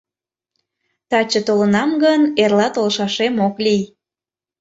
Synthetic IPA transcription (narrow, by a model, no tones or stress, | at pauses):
t̪ɑt͡ɕət̪olənɑmɡənerlɑt̪olʃɑʃemoklij